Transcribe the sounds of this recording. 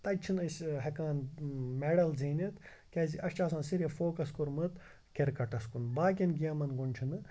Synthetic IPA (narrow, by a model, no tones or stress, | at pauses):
t̪ɐt͡ʃʰinəsʲɦekaːnmeɽɐlziːnit̪ | kʲeziʔɐʃt͡ʃaːsɐːnsiɾʲefoːkɐskuɾmɨt̪ | keɾkɐʈɐskunbaːk̬ʲinɡiɐmɐnɡunʲt͡ʃʰinɨ